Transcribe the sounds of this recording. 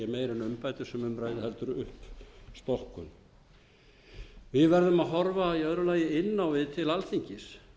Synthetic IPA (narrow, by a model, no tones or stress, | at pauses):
ɛmeːjɾɪnʏmpajt̪ɪ̥sɛmʏmɾaːjðɪhɛlt̪ʏɾʏhpst̪ɔhkʏn | vɪðvɛɾðʏmaðɦɔɾvaiœðɾʏlaːjɪɪnːawvɪðt̪ʰɪlalθiɲcɪs